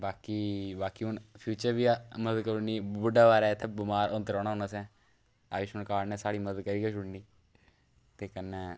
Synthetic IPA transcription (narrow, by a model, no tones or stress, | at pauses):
baːkiːbaːkiːʊnpʰjuːt͡ʃəɾʋiːaməəd̪kəɾuniːbʊɖaːʋaːɾɛːɪt̪ʰːebʊmaːɾʔõnt̪ɾɔ̃ːɽ̃aːɦʊnaːsɛ̃ː | a̰ːʋɪʃmənkaːɽnɛːsaːɽiːməd̪əd̪̚kəɾiːkɛʃʊɽniː | t̪eːkənːɛː